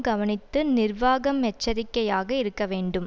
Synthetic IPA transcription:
ɡɐʋɐnɪt̪ːɯnɪrʋaːɣɐmɛt͡ʃːɐɾɪkːɐjaːɣɐɪɾɯkːɐʋeːɳɖɯm

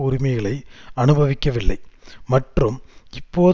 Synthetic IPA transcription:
ʊɾɪmɐɪɣɐɭɐɪɐnɯbʱɐʋɪkʲːɐʋɪɭːɐ̰ɪmɐʈrɯmɪpːoː

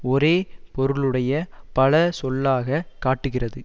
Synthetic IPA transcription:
ɔɾeːpɔɾɯɭɯɽɐjɐpɐlɐsɔlːaːɣɐkaːʈːɯɣɪrɐðɯ

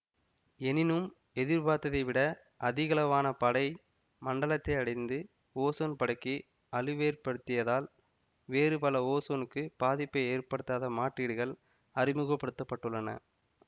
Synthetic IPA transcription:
ɛnɪnɯm | ɛðɪɾbaːt̪ːɐðɐɪʋɪɽɐ | ʔɐðɪɣɐlɐʋaːnɐpɐɽɐɪ | mɐɳɖɐɭɐt̪ːɐɪɐɽɐɪnd̪ɯ | oːsoːnpɐɽɐkːi | ɐlɯʋeːrpɐɽɯt̪ːɪjɐðaːl | ʋeːrɯpɐlɐoːsoːnɯkːɯb̥aːðɪpːɐɪeːrpɐɽɯt̪ːaːðɐmaːʈriːɽɯɣɐɭ | ɐrɪmɯɣɐpːɐɽɯt̪ːɐpːɐʈːɯɭːɐnɐ̰

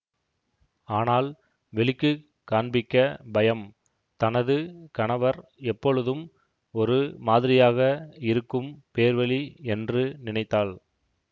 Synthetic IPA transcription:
aːnaːl | ʋɛɭɪkːɯ | kaːɳbɪkːɐbɐjɐm | t̪ɐnɐðɯkɐɳɐʋɐɾɛpːɔɻɯðɯm | ɔɾɯmaːðɪɾɪjaːɣɐɪɾɯkːɯmpeːɾʋɐɭiɛndrɯnɪnɐɪt̪ːaːɭ

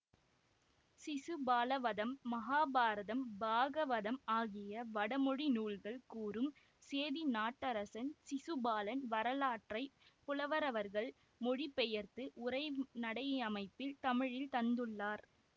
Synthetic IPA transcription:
sɪsɯbaːlɐʋɐðɐmːɐɣaːbaːɾɐðɐmbaːɣɐʋɐðɐmaːɣɪjɐʋɐɽɐmɔɻinuːɭɣɐɭkuːrɯm | seːðinaːʈːɐɾɐsɐnsɪsɯbaːlɐnʋɐɾɐlaːʈrɐɪpʊlɐʋɐɾɐʋɐɾɣɐɭ | mɔɻipɛjɐɾt̪ɯʔʊɾɐɪnɐɽɐɪɐmɐɪpːɪlt̪ɐmɪɻɪlt̪ɐnd̪ɯɭːaːɾ

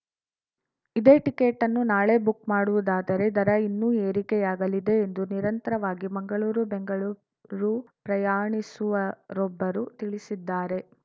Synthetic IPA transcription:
id̪e̞ːʈikeːʈːɐnːunaːɭe̞ːbukmaːɽuʋud̪aːd̪ɐɾe̞d̪ɐɾɐinːuːe̞ːɾikɛjaːɡɐlid̪e̞ːnd̪uniɾɐnt̪ɐɾɐʋaːɡimɐŋɡɐɭuːɾubeŋɡɐɭuː | ɾupɾɐjaːɳisuʋɐɾɔbːɐɾut̪iɭisid̪ːaːɾe̞

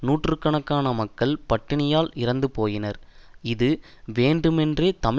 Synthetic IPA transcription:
nuːʈrɯkːɐɳɐkːaːnɐmɐkːɐɭpɐʈːɪɳɪjaːlɪɾɐnd̪ɯpoːjɪnɐɾɪðɯ | ʋeːɳɖɯmɛndreːt̪ɐm

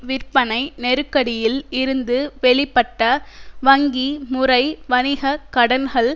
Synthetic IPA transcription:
ʋɪɾpɐnɐɪnɛɾɯkːɐɽɪjɪlɪɾɯnd̪ɯʋɛɭɪpːɐʈːɐʋɐŋɡimʊrɐɪʋɐnɪɣɐkɐɽɐnɣɐɭ

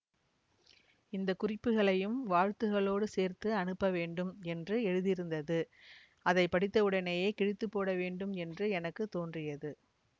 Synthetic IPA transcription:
ɪnd̪ɐkʊrɪpːɯɣɐɭɐjɯmʋaːɻt̪ɯɣɐɭoːɽɯseːɾt̪ɯɐnɯpːɐʋeːɳɖɯmɛndrɯɛɻɯðɪɾɯnd̪ɐðɯ | ɐðɐɪpːɐɽɪt̪ːɐɯɽɐnɐjeːkɪɻɪt̪ːɯpːoːɽɐʋeːɳɖɯmɛndrɯɛnɐkːɯt̪ːoːndrɪjɐðɯ

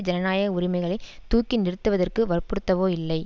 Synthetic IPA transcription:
d͡ʒɐnɐnaːjɐʊɾɪmɐɪɣɐɭɐɪt̪ːuːkːɪnɪɾɯt̪ːɯʋɐðɐrkɯʋɐrpɯɽɯt̪ːɐʋoːɪlːɐɪ

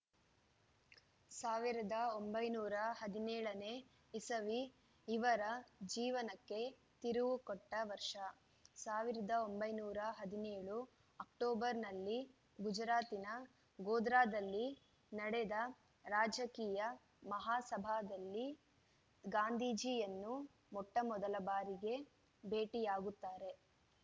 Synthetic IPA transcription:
saːʋiɾɐd̪ɐombɐjnuːɾɐhɐd̪inɛːɭɐne̞ː | isɐʋi | iʋɐɾɐd͡ʒiːʋɐnɐkːe̞ | t̪iɾuʋukɔʈːɐʋɐɾʂɐ | saːʋiɾɐd̪ɐombɐjnuːɾɐɦɐd̪ineːɭu | ɐkʈɔːbɐɾnɐlːi | ɡud͡ʒɾaːt̪inɐ | ɡoːd̪ɾaːd̪ɐlːi | nɐɽed̪ɐ | ɾaːd͡ʒɐkiːjɐ | mɐɦaːsɐbʱaːd̪ɐlːi | ɡaːnd̪ʱiːd͡ʒiːjɐnːu | mɔʈːɐmɔd̪ɐlɐbaːɾiɡe̞ | be̞ːʈijaːɡut̪ːaːɾe̞

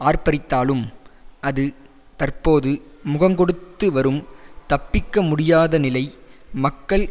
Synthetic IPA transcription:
aːrpɐɾɪt̪ːaːlɯmʔɐðɯ | t̪ɐrpoːðɯmʊɣɐŋɡɔɽɯt̪ːɯʋɐɾɯmt̪ɐpːɪkːɐmʊɽɪjaːðɐnɪlɐɪmɐkːɐɭ

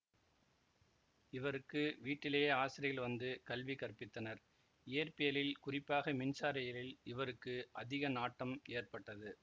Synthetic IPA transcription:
ɪʋɐɾɯkːɯʋiːʈːɪleːjeːaːsɪɾɪɣɐlʋɐnd̪ɯkɐlʋikɐrpɪt̪ːɐnɐɾ | ɪjɐɾpɪjɐlɪlkʊrɪpːaːɣɐmɪnsaːɾɐjɐlɪlɪʋɐɾɯkːɯʔɐðɪɣɐnaːʈːɐmeːrpɐʈːɐðɯ

